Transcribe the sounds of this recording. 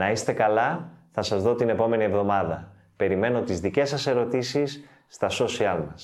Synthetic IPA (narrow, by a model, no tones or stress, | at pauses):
nɐist̪e̞kɐlɐθɐsɐzðo̞t̪ine̞po̞me̞nie̞vðo̞mɐðɐ | pe̞ɾime̞no̞t̪izðice̞sɐse̞ɾo̞t̪isisː | t̪ɐso̞siɐlmɐs